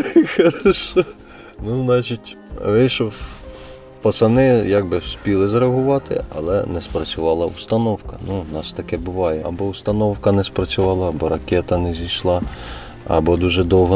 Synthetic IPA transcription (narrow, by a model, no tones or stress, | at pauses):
xɐɾʃɔ | nuznɑt͡ʃitʲ | ʋɪʃɔ | pɐsɐnɪjɑɡ̚bɪsʲpʲilˠɪzɾeɐɦʊʋɑt̪ɪ̰ɐ̰lˠɛ̰nɛspɾɐt͡sʲʊʋɑlˠɐust̪ɐnɔwkɐnunɑst̪ɐkɛbʊʋɑjɛɐbɔʊst̪ɐnɔwkɐnɛspɾɐt͡sʲʊʋɑlˠɐːbɔɾɐkʲɛt̪ɐnɛzʲijʃlˠɑ | ɐ̰bɔd̪uʒɛd̪ɔwɦɔ